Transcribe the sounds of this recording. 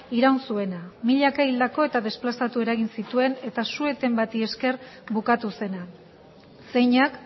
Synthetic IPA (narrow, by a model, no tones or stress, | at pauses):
iɾawnsue̞namiʎakaild̪ako̞e̞t̪aðe̞splasat̪ue̞ɾaɣinsit̪ue̞ne̞t̪asue̞t̪e̞mbat̪ie̞ske̞rbukat̪use̞na | se̞jɲak